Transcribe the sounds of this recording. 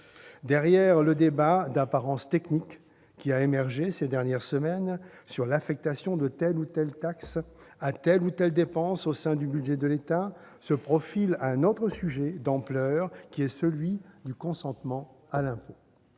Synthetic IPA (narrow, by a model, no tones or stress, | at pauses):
d̪ɛʁjɛʁləd̪ebad̪apaʁɑ̃st̪ɛknikː | iaemɛʁʒesed̪ɛʁnjɛʁsəmɛnsyʁlafɛk̚t̪asjɔ̃d̪ət̪ɛlut̪ɛlt̪aksat̪ɛlut̪ɛld̪epɑ̃sosɛ̃d̪ybyd̪ʒɛd̪əlet̪a | səpχɔfilaɛ̃not̪χəsyʒɛd̪ɑ̃plœʁkʲiɛsəlɥid̪ykɔ̃sɑ̃t̪mɑ̃alɛ̃po